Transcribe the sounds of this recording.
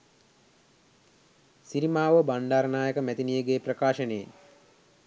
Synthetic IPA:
siɾimaːʋəbaɳɖaːɾnaːjəkəmæt̪inijəɡeːprɐkaːʃənejḛ

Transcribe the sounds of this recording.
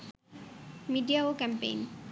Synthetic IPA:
miɖiaokɛmpḛjn

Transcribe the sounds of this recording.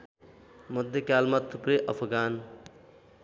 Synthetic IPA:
məd̪ʱjekaːlmat̪ʰːupɾeʔəpʰɡaːn

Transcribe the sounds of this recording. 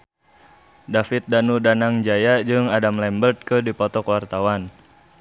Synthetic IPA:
dafɪt̪̚danudanaŋd͡ʒajad͡ʒɨŋadamlɛmbərt̪̚kədipɔt̪ɔkwart̪awan

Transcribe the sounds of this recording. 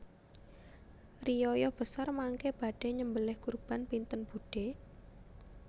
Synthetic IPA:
rijɔjɔhb̥ə̤sarmaŋkeb̥a̤ɖ̥e̤ɲəmbəlɪhkurb̥a̤npint̪ənb̥uɖ̥e

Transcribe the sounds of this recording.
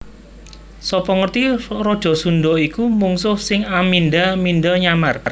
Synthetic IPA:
sɔpɔŋərt̪irɔd̥ʒ̥ɔ̤sunɖ̪ɔikumuŋsʊhsɪŋamindamindɔɲamar

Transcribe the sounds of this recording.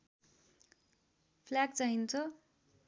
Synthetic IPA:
pʰlak̚t͡saɦint͡sʰʌ

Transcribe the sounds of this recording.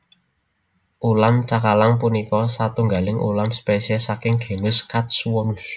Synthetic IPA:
ʔulamt͡ʃakalaŋpunikɔsat̪uŋɡalɪŋʔṵlamspesɛsakɪŋɡ̥e̤nʊskat̪̚swɔnus

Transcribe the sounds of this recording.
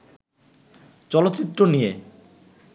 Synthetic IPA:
t͡ɕɔlot̪ːt͡ɕit̪ːɾonije

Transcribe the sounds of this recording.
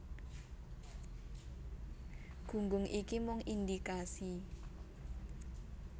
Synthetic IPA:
ɡ̥ṳŋɡʊŋʔikimɔŋind̪ikasi

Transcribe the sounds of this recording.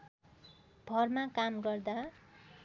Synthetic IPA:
b̥ʱʌrmakamɡʌrd̪a

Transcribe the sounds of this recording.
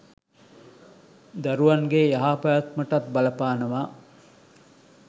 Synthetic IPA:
d̪ɐɾuʋɐŋɡeːjɐɦaːpajɐt̪mɐʈɐt̪̚bɐlɐpaːnɐʋaː

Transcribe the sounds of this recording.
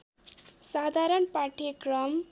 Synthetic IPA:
sad̪ʱaɾʌnpaʈʰekrʌm

